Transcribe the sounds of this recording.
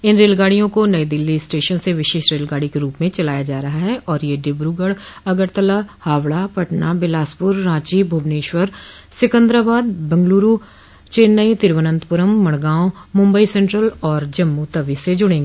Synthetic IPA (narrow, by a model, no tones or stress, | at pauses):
ɪnɾeːlɡaːɽijõkonəid̪ɪlːisʈeːʃənseʋɪʃeːʃɾeːlɡaːɽikeɾuːpmẽt͡ʃəlaːjad͡ʒaːɾɐɦaɦɛʔɔːɾjeːɖɪbɾuːɡəɽəɡəɾt̪əlahaːʋɭapəʈnaːbɪlaːspʊɾːãːt͡ʃibʱoːbneːʃʋəɾ | sɪkə̃nd̪ɾəbaːd̪̚bə̃ŋɡluːɾuː | t͡ʃeːnːəit̪ɪɾʋənə̃nt̪pʊɾəmːəɽ̃ɡãːõmʊ̃mbəisɛ̃ɳʈɾəlɔːɾd͡ʒəmːut̪əʋised͡ʒʊɽ̃ẽːŋɡeː